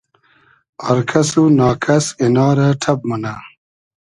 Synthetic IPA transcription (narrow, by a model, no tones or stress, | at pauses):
oɾkʰɐsunaːkʰɐsinaːɾaʈʰɐb̚mɐna